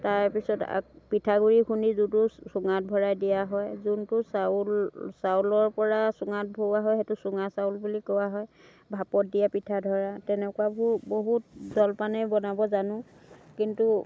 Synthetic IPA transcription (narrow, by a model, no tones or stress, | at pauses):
taɹpisɔta̰kpitʰaɡuɹikʰunizudusʊŋat̚bʱɔɹajdijaɦɔjzuntʊsalsawlɔɹpɔɹasʊŋat̚bʱoaɦɔjɦɛtusʊŋasawlbulikɔwaɦɔj | bʱapɔt̚dijapitʰadʱɔɹatɛnɛkʊwabuboɦut̚zɔlpanɛbɔnabɔzanʊ̃ | kintu